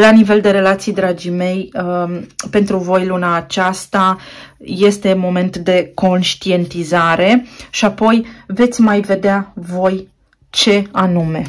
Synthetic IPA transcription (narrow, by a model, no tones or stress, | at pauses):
lanive̞ld̪e̞ɾe̞lat̪sijd̪ɾad͡ʒime̞j | pe̞nt̪ɾuvo̞jlunaːt͡ʃast̪aje̞st̪e̞mo̞me̞nt̪d̪e̞ko̞nʃt̪ie̞nt̪izaɾe̞ʃiapo̞jve̞t̪sʲmajve̞d̪eavo̞j | t͡ʃe̞anume̞